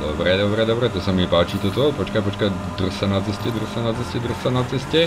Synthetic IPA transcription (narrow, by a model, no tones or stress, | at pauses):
d̪obɾɛd̪obɾɛd̪obɾɛt̪osamipaːt͡ʃit̪ot̪opot͡ʃkapot͡ʃka | d̪r̩sanat͡sɛscɛd̪r̩sanat͡sɛscɛd̪r̩sanat͡sɛscɛ